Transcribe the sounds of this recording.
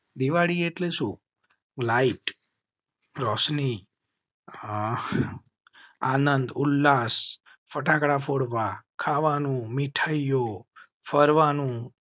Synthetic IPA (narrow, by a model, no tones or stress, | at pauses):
d̪iʋaɽieʈleʃũ | laiʈ | ɾɔsni | anənd̪ulːas | fəʈakɽafoɽʋakʰaʋanũmiʈʰajjo | fəɾʋanũ